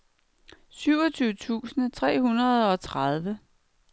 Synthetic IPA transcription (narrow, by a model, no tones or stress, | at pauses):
syʊɒt͡sʰyːʊət͡sʰṵːsnət͡sʰʁɛ̰ːɦunɐðˠɒ̽t͡sʰʁað̞ˠʋə